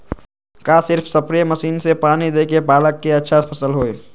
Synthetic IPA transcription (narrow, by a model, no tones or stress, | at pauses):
kasɪɾpʰsəpɾijeməsiːnsepaːnid̪eːkepaːləkːeətːʃʰapʰəsəlɦoe